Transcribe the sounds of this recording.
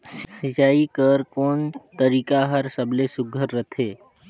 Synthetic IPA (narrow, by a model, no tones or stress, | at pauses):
ssit͡ʃaːikəɾkoːnt̪əɾiːkaɦəɾsəblesʊɡʱəɾːət̪ʰeː